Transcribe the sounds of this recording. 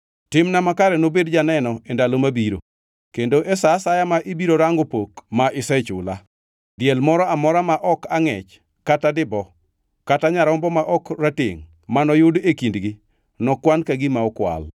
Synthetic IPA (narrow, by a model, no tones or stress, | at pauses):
tɪmnamakaɾɛnobedd͡ʒanɛnɔendalomabiɾo̰ | kendoʔɛsasajamaʔibiɾoɾaŋɡopokmaʔɪsɛt͡ʃʊ̰la | djɛlmɔɾɔamɔɾamaʔɔkaŋɛ̰t͡ʃ | katadɪbɔ | kataɲaɾaʊmbɔmaʔɔkratɪ̰ŋ | manɔjʊdekindɡɪ | nɔkwankaɡɪmaɔkwa̰l